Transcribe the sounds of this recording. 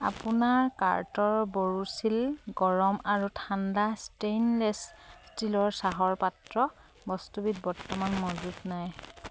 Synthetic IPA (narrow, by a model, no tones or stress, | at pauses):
a̰punaɹka̰ɹtɔɹboɹusilɡɔɹɔmaɹutʰandastejnlɛsstilɔɹsaɦɔɹpatɹɔ | bɔstubit̚bɔɹtːɔmanmɔzutnaj